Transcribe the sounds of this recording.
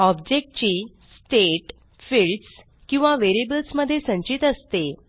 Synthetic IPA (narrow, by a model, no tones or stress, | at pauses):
ɔb̚d͡ʑek̚ʈ̚t͡ɕiː | sʈeʈ | filʈs | kĩw̃ʋaʋeɾibəlsməd̪ʱːjesə̃ɲt͡ɕit̪əst̪e